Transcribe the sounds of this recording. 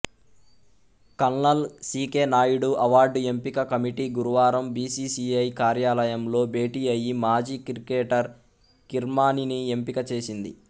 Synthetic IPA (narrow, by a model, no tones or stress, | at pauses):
kɐnːɐlsiːke̞ːnaːjuɽuʔɐʋaːɾɖe̞mpikɐkɐmiʈiɡuɾuʋaːɾɐmbiːsiːsiɐjkaːɾjaːlɐjɐmlo̞ːbe̞ːʈiːɐjimaːd͡ʒiːkiɾikeːʈɐɾ | kiɾmaːninie̞mpikɐt͡ʃe̞ːsind̪ḭ